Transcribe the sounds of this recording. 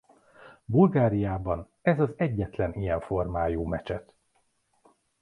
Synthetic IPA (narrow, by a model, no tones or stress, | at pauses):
bulɡaːɾijaːbɒn | ɛzɒzɛɟːɛt̪lɛnijɛɱfo̞rmaːjoːmɛt͡ʃɛt̪